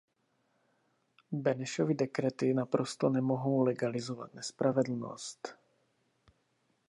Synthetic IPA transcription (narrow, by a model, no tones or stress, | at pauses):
bɛnɛʃovɪdɛkɾɛt̪ɪnapɾost̪onɛmoɦo̞wlɛɡalɪzova̰t̪nɛspɾavɛdl̩no̰st̪